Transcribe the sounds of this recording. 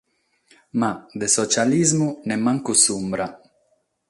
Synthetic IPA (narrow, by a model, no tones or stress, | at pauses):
mad̪esɔt͡ʃalizmunemaŋkusumbɾa